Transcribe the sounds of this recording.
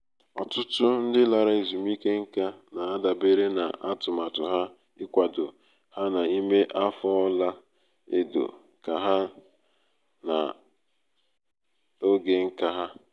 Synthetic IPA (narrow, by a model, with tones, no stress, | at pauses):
ɔ̰˨tʊ˦tʊ˦n̩˦dɪ˦la˨ɾa˦˨i˨zu˨m˦i˦ke˦ŋ̩˦ka˦na˨a˦da˨be˦ɾe˦na̰˨ʔa˦tʊ˨ma˨tʊ˨ɦa˦ | ɪ˦kʷa˨do˨ | ha˦na˨i˦me˦ʔa˦fɔ˦la˦ | ḛ˦do̰˨ | ka˨ɦa˦ | na̰˨ | o˦ɡe˨ŋ̩˦ka˦ɦa˦